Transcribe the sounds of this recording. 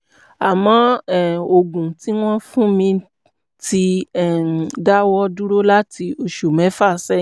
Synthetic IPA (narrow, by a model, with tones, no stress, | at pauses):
a˨mɔ̃˨˦ɛ˦˨o˨ɡũ˨ti˦w̃ɔ̃˦fũ˦mĩ˧ | ti˧ɛ˦˨da˦wɔ˧du˦ɾo˦la˦ti˧o˧ʃo˨mɛ̃˨˦fa˦˨sɛ˦